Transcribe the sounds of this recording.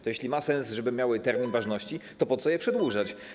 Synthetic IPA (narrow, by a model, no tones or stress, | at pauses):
t̪ɔjeɕlʲimasɛnsʐɛbɘmʲjawɘt̪ɛɾmʲinvaʐnɔɕt͡ɕit̪ɔpɔt̪sɔjɛpʂɛd̪wuʐat͡ɕ